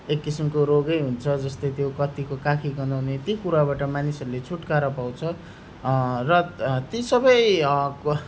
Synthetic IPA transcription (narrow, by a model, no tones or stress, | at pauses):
ekːisimkoɾoɡʌjɦunt͡sʰʌd͡zʌst̪ʌjt̪jokʌt̪ikokakʰiɡʌnawnet̪ikuɾabaʈʌmanisʌɾulet͡sʰuʈkaɾʌpaw̃t͡sʰʌ | rʌt̪isʌbʌj